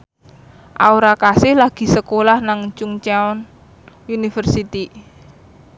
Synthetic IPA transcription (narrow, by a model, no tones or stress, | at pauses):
ʔa̰uɾakasɪhlaɡ̥i̤səkolahnaŋt͡ʃuŋt͡ʃaɔn | junifərsit̪i